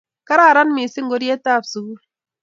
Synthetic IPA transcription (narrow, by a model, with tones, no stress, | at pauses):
ka˦ɾa˦˨ɾa˦nmi˨si˦ŋ˦ɡo˦ɾe˦ta˦˨bsu˨ɡu˦l